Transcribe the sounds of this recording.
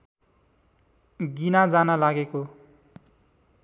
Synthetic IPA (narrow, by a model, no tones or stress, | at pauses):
ɡinad͡zanʌlaɡeko